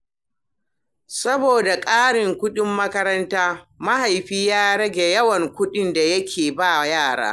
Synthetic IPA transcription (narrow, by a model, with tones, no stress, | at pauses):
sɐ˦boː˨da˨kʼaː˦ɽɪ˨ŋkʷʊ˦ɗɪ˦mːɐ˦kɐ˦ɾɐ˦ntaː˦ma˦ha˨jɸiː˦jaː˦ɽɐ˦ɡʲe˨jɐ˦wɐ˨ŋkʷʊ˦ɗɪ˦nda˨jɐ˦kʲʰeː˨baː˦˨jaː˦˨ɽa̰ː˦